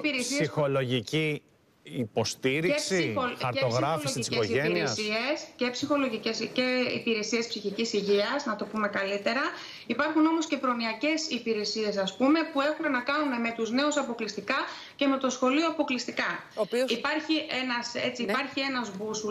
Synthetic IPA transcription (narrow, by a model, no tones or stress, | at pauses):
piɾesisxolo̞ʝici | ipo̞st̪iɾiesioɐɾeosɣɾɐfollosceosieiɾessie̞scepsixo̞lo̞ʝicesceḭpiɾe̞sie̞spsiçicisiʝiɐznɐt̪o̞pume̞kɐlit̪e̞ɾɐ | ipɐɾxuno̞mo̞sce̞pɾo̞niɐce̞sipiɾe̞sie̞sɐspume̞pue̞xumenɐkɐnume̞me̞t̪uzne̞usɐpo̞klist̪ikɐ | ce̞me̞t̪o̞sxo̞lio̞ɐpo̞klist̪ikɐ | oioipɐɾçiʔenɐse̞̰t͡siːpɐɾçie̞nɐzbusu